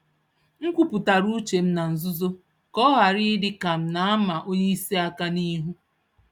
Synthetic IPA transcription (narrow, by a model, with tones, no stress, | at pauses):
ŋ̩˦kʷu˦pu˨ta˨ɾu˦t͡ʃe˨m̩˦na˨n̩˨zʊ˦zo˦ | kɔ˦ɦa˨ɾɪ˦dɪ˦ka˨m̩˨na˨˦a˦ma˨ʔo˦ɲe˦i˦se˦a˦ka˦ni˦ɦu˦